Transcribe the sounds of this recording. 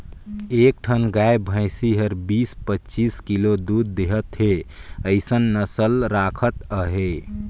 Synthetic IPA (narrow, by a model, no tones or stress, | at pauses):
ek̚ʈʰənɡajbʱə̃ɪsiɦəɾbiːspətːt͡ʃiskilod̪ud̪ːeɦət̪ɦeəɪsənːəsəlɾakʰət̪əɦe